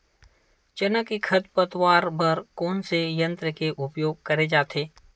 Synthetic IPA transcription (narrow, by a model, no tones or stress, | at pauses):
t͡ʃənəkikʰɐt̪̚pət̪waːɾbɐɾkɔːnsejɐ̃nt̪ɾəkeʔʊpjoːɡ̚kɐɾed͡ʒaːt̪ʰeː